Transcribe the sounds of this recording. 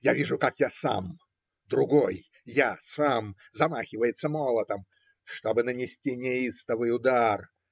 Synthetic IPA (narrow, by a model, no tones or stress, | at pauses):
javʲiʐʊkakjasa̰m | d̪ɾʊɡoj | jasam | zɐmaxʲɪvəjɪt̪sːəmolˠət̪əm | ʂt̪obɨnənʲɪsʲtʲinʲɪist̪əvɨjʊd̪ar